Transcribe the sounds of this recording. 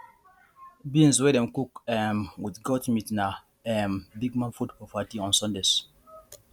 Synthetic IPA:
bĩnzwɛɾɛ̃mkukɛmwidɡɔtmitna | ɛ̃mbiɡ̚mãnfudpɔvatiɔ̃nsɔ̃ndez̥

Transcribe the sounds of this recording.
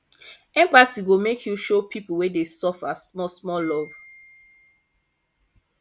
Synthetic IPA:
ɛ̃mpatiɡomekʰjuʃopʰipuwɛdesɔfasmɔsmɔlɔv

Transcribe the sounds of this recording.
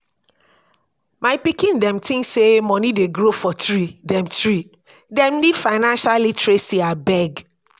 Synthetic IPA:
mãɪpikĩndɛ̃mtʰɪ̃ŋsemɔ̃nĩdeɡɾofɔtʰɹidɛ̃mtʰɹi | dɛ̃mnidfaɪnãnʃallitɾesiabɛɡ

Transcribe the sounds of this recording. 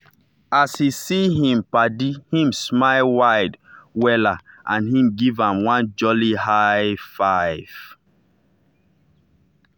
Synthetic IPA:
ashisiɦĩmpadihĩmsmaɪlwaɪdwɛlaãnhĩmɡivãmwãnd͡ʒɔlihaɪfaɪv̥

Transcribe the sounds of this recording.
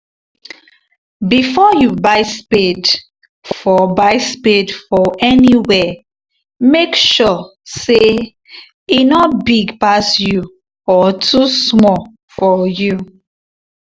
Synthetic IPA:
bifɔjubaɪsped | fɔbaɪspedfɔɛniwɛ | mekʃɔse | inɔtbiɡpasju | ɔtʰusmɔ | fɔju

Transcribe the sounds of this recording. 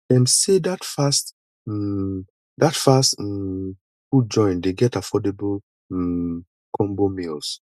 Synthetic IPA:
ɛ̃nsedatfast̩ | datfast̩ | kud͡ʒɔ̃ɪ̃ndeɡɛtafɔdebol̩ | kʰɔ̃mbomils

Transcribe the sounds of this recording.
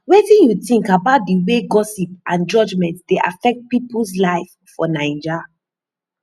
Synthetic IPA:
wɛtĩnjuθĩŋkabaʊt̚diweɡɔsipãnd͡ʒɔd͡ʒmɛ̃ntd̥eʔa̰fɛk̚t̚pipls̬laɪf | fɔnãɪ̃d͡ʒa

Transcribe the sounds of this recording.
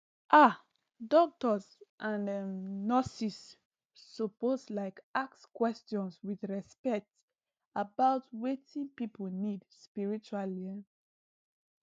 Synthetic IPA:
ʔa | dɔk̚tɔsʔãnnɔsisː | oposlaɪkak̚skwɛstjɔ̃nswiθɹɛspɛk̚t | abaʊtwetĩnpipolnidspiɹit͡ʃualiɛn

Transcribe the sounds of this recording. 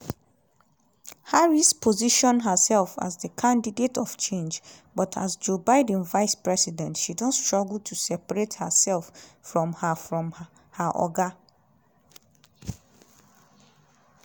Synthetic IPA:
haɹispʰoziʃɔ̃nɦəsɛlˠfa̰zdəkʰãndidetɔft͡ʃʰẽnd͡ʒ | bɔtʰa̰sd͡ʒobaɪd̃n̩vaɪspɹɛsidɛ̃ntʃidõntstɹ̥ɔɡl̩tʰusɛpaɹethəsɛlˠfːɹɔ̃mhəfɹɔ̃m | haʔɔ̰ɡa

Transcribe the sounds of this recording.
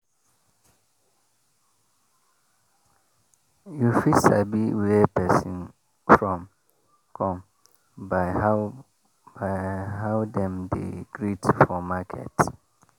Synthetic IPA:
jufisa̰biwepʰɛsĩn | fɹɔ̃m | kʰɔ̃m | baɪha | baɦaʊdɛ̃mdḛɡ̥ɹidfɔmakʰɛ̰t

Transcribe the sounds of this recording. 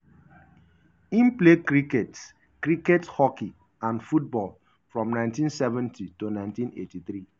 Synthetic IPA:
ĩnplekɾikets | kɾikethɔki | ãnfut̚bɔl | fɹɔ̃mnãɪ̃ntĩnsɛvɛ̃ntʰitonãɪ̃ntĩnḛtiθɾi

